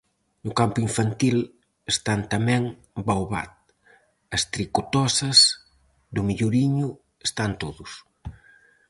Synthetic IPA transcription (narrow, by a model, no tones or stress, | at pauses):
nʊkampʊiɱfant̪il | est̪ant̪amɛ̃ŋ | bawβa̰t̪̚ | ɐst̪ɾikot̪ɔsɐz | d̪ʊmiʎuɾiɲʊ | est̪ant̪oðʊs